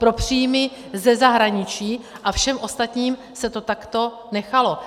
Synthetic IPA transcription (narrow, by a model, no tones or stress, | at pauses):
pɾo̞pr̝̥iːjmɪ | zɛzaɦɾaɲɪt͡ʃiːʔafʃɛmʔo̞st̪at̪ɲiːm | sɛt̪o̞t̪akt̪o̞ | nɛxalo̞